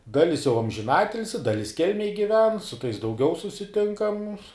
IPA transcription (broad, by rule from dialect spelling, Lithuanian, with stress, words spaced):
ˈdɑːlʲɪs jɛʊ ɐmʲʒʲɪˈnɑːtʲɪlʲsʲɪ ˈdɑːlʲɪs ˈkʲɛlʲmʲɛj ɡʲɪˈʋʲɛn sʊ tɐɪs dɐʊˈɡʲɛʊ sʊsʲɪˈtʲɪŋkɐm